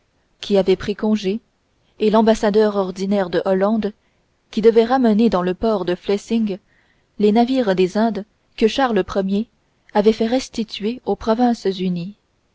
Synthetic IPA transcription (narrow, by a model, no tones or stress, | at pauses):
kʲʰiavɛpχikɔ̃ʒe | elɑ̃basad̪œʁɔʁd̪inɛʁd̪əʔɔlɑ̃d̪ | kʲid̪əvɛʁaməned̪ɑ̃ləpɔʁd̪əflɛsiŋɡ | lenaviːʁd̪ezɛ̃d̪ | kəʃaʁləpχəmje | avɛfɛʁɛst̪it̪ɥeopχɔvɛ̃szyni